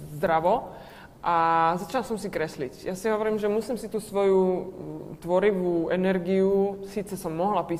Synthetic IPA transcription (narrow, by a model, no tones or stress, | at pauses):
zd̪ɾaʋɔ | ʔazat͡ʃinalsɔmsikɾɛslicjasiɦɔʋɔɾiːmʒɛmusiːmsit̪uːsʋɔju | t̪ʋɔɾiʋuʔɛnɛɾɡiusiːt͡sɛsɔmːɔɦlapiː